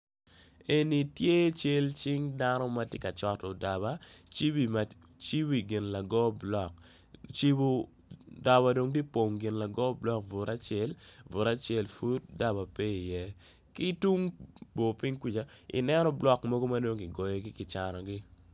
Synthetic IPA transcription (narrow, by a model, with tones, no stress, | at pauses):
e˨ni˨tje˦t͡ʃe˦lt͡ʃɪ˦ŋda˦nɔ˦ma˦tjɛ˦ka˨t͡ʃɔ˨tɔ˨da˨βa˦t͡ʃi˦bi˨ma˨ | t͡ʃi˦bi˨ɡɪ˨nla˨ɡɔ˦blɔ˨k | t͡ʃi˦bo˦ | da˨ba˨do˨ŋdi˦po˨ŋɡɪ˨nla˨ɡɔ˦blɔ˦k̚vʊ˨ɾa˦t͡ʃɛ˦lvʊ˨ɾa˦t͡ʃɛ˦˨lfu˦t̚da˦βa˨pe˦i˨jɛ˦ | ki˦tu˦ŋbo˨pɪ˦ŋkwi˦t͡ʃa˨ɪ̰˨nɛ˦nɔ˦blɔ˦kmo˦ɡo˦ma˦do˦ŋɪ˨ɡɔ˨jɔ˨ɡɪ˦kɪ˨t͡ʃa˨nɔ˨ɡɪ˦